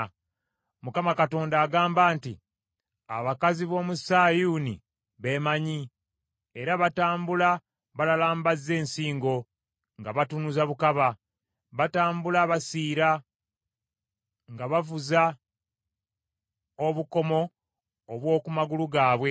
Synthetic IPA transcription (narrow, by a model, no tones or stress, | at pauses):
mukamakato̞ːndaːɡaːmbaːntḭ | a̰βakaziβo̞ːmusaːjuːnḭ | βe̞ːmaɲi | e̞ɾaβataːmbula | βalalaːmbazːe̞ːnsiːŋɡo̞ | ŋɡaβatunuzaβukaβa | βataːmbulaːβasiːɾa | ŋɡaβavuza | o̞βuko̞mo̞ː | βwo̞ːkumaɡuluɡaːβwe̞